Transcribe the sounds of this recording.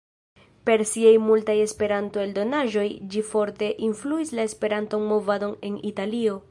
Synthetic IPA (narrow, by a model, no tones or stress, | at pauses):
pe̞ɾsiejmultaje̞spe̞ɾanto̞eldo̞naʒo̞jd͡ʒifo̞ɾte̞ʔinfluislae̞spe̞ɾanto̞nmo̞vado̞ne̞nitalio̞